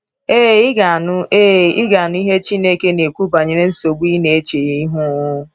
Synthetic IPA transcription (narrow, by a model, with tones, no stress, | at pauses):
e˦˨ɪ˦ɡa˨nʊ˦e˦˨ɪ˦ɡa˨nʊ˦i˦ɦe˦t͡ʃi˦ne˦ke˦ne˨kʷu˦ba˨ɲe˨ɾe˦n̩˦so˨ɡ͡bi˦ne˨e˦t͡ʃe˨ji˦i˦ɦu˦ʊ˦